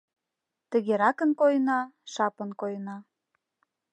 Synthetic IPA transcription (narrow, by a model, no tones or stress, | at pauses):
t̪əɣeɾɑkə̆nkojnɑʃɑpənkojnɑ